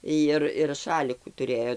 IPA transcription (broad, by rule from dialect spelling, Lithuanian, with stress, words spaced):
ˈjɪr ɪr ˈʃɑːlʲɪkuː tʊˈrʲeːjoː